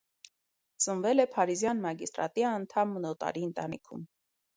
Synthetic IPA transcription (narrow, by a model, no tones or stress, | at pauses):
t͡sənvɛlɛpʰɑɾizjɑnmɑɡist̪ɾɑ̰t̪iɑnt̪ʰɑmːənɔt̪ɑ̰ɾiənt̪ɑnḭkʰṵm